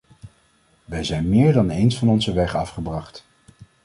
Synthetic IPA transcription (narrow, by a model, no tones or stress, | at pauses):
ʋɛjzɛjnmɪːɹdɑnejnsfɑnɔnzəʋɛχɑfχəbrɑχt